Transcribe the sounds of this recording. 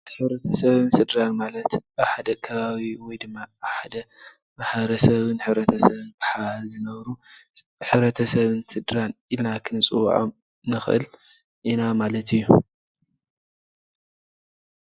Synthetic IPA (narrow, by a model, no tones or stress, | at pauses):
ħɨβɾɐt̪ʰɐsɐβɨnsɨd̪ɾanmalɐt̪aħad̪ɐkʰɐβaβiwɔjd̪ɨmːaːħad̪ɐ | maħbɐɾɐsɐβɨnħɨβɾɐt̪ʰɐsɐβɨnbɨħalzɨnɐβɾu | ħɨβɾɐt̪ʰɐsɐβɨnsɨd̪ɾanilnakʰɨnɨt͡sʼɨw̰ʕo̰m | nɨxʔɨ̰l | ʔinamalɐt̪ʰɨjːu